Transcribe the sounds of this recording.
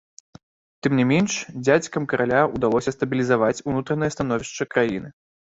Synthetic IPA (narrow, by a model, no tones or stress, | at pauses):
t̪ɨmnʲimʲɛnʂd͡zʲat͡sʲkɐmkɐɾʔalʲaud̪alˠɔsʲɐst̪ɐbʲilʲizavat͡sʲunut̪ɾɐnɨjɐst̪anɔvʲiʂt͡ʂɐkɾajinɨ